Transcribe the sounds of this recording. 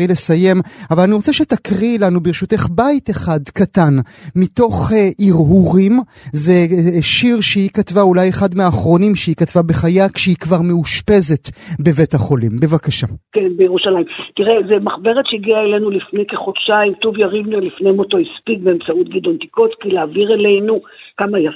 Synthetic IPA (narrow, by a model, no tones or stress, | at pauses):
ilesaje̞mavalaniʁo̞t͡seʃetakʁilanubeʁʃuteχbaiteχadkatanmito̞χeʔiʁɦuʁim | zeʃiʁʃeikatvaulajeχadmeaːχʁo̞nimʃeikatvabeχajakʃehikvaʁmeuʃpe̞ze̞tbe̞ve̞thaχo̞limbe̞vakaʃakenbejeʁuʃalaimtiʁezemaχbeʁetʃeiɡiaelenulifnejke̞χodʃaimt̪uvjaʁivnualifnemoto̞ispiɡbeːmt͡saut̚ɡid̪onti̥kotkileaviʁelejnu | kamaja